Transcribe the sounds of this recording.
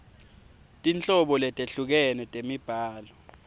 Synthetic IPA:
tʼint͡ɬʼɔɓɔlɛtʼeɬuk̬ɛnɛtʼemib̥ʱaːlɔ

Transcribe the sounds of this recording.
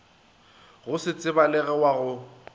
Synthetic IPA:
ɣʊsɪt͡sʼɪbalɛɣɛwaɣʊ

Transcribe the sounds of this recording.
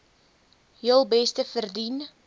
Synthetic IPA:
jəlˠbɛstəfərdin

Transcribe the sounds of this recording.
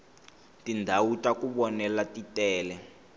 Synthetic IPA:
tʼindʱawutʼakuɓɔnɛlatitɛːlɛ

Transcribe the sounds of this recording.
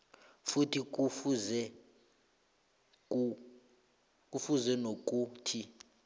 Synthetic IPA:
futʰik̬ʼufuzɛ | ku | k̬ʼufuzɛnok̬ʼuːtʰi

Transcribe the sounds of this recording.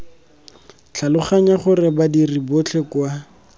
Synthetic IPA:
t͡ɬʰalʊχaɲaχʊrɪbadiribot͡ɬʰekwa

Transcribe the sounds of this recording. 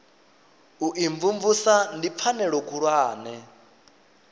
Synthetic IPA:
uʔiɱvuɱvusandip̪fʰanɛɺɔkʰʼuɺwaːnɛ

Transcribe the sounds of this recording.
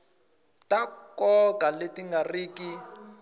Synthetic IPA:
tʼakɔkʼaletʼiŋɡariːki

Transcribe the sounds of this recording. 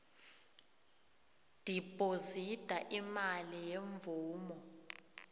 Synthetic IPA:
d̥ʱipʼozitʼaʔimalijeɱvuːmɔ

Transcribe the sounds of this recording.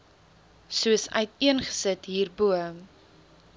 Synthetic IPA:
suəsœ̰ɥtiənχə̥sətɦiːrbuəm

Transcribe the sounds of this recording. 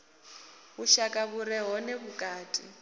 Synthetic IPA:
βuʃakʼaβuɾɛɦɔnɛβukʼaːtʼḭ

